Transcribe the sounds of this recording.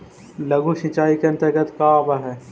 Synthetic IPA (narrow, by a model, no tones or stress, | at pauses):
lɐɡuʃɪ̃t͡ʃaːikeɐ̃nt̪ɪkət̪kaːbaɦɛ